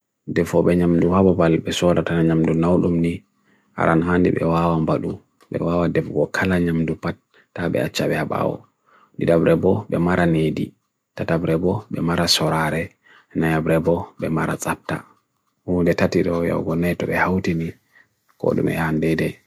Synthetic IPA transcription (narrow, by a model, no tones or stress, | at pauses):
dɛfɔɓɛɲamduhababalbɛsɔɾatanaɲamdunawɗumni | ha̰ɾʔanɦandḭbɛ̰wawambaɗu | ɓɛ̰wawadɛfɡɔkʰalaɲamdupatː | aɓɛ̰at͡ʃːaɓɛhaɓa̰wɔ̰ | diɗabɾɛbɔɓɛmaɾanedi | tatabɾɛbɔɓɛmaɾasɔɾaɾɛ | najabɾɛbɔɓɛmaɾa̰t͡sʼap̚ta̰ | hudɛtatiɗɔja̰wɡɔnɛtɔɓɛhawtini | kɔ̰ɗṵmɛ̰handɛdɛ